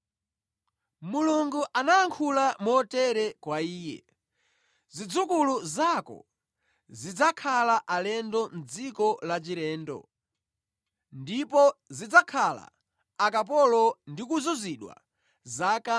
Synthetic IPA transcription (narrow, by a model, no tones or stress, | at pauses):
muluŋɡuʔanaːŋkʰulamɔtɛɾɛkwaiːjɛ̰ | zid͡zukuluzakɔ̰ | zid͡zakʰalaʔalɛndɔm̩d͡zikɔlat͡ʃiɾɛːndɔ̰ | ndipɔzid͡zakʰala̰ː | kapɔlɔndikuzuziɗwa̰ | zaka